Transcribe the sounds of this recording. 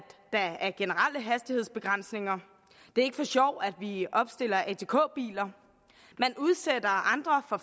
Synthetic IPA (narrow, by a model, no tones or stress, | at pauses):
d̥æ̈æɐɡ̥e̝nəʁaləɦæsd̥ihe̝ð̰ˠsb̥e̝ɡ̥ʁɑn̰sne̝ŋɐ | d̥e̝æɐe̝ɡ̥əfɒ̽ɕɒʊ̰æd̥ʋiɒ̽b̥sd̥e̝l̰ɐʔet͡sʰe̝kʰo̰̽ːb̥ḭːlɐ | menuð̞ˠsed̥ɐɑ̈nd̥ʁɐfɒ̽